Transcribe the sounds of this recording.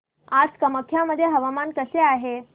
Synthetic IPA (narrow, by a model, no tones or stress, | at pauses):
ad͡zkəməkʰːjaməd̪ʱːjeɦəʋamankəseaɦe